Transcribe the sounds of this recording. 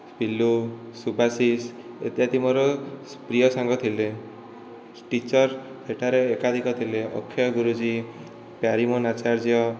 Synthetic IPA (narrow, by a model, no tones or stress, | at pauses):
spilusubʱasis | ḛt̪jat̪imɔɾɔspɾijɔsaŋɡɔt̪ʰile | ʈit͡ʃɔɾ | seʈʰaɾeːkad̪ʱikɔt̪ʰileɔ̰kʰːjɔɡuɾud͡ʒi | pjaɾimɔnat͡ʃaɾd͡ʒjɔ